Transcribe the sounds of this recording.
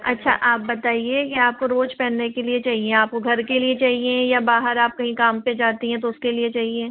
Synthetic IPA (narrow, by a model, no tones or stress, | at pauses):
ɐ̰tːʃʰa̰ʔaːp̚bɐt̪aːiekeaːp̚koɾoːd͡ʒpɛ̃ːnːekeliet͡ʃaːɦiẽaːp̚koɡʱɐɾkeliet͡ʃaːɦiẽjabaːɦəɾaːp̚kɐɦĩkaːmped͡ʒaːt̪iɦɛ̃t̪̬oʊskeliet͡ʃaːɦieː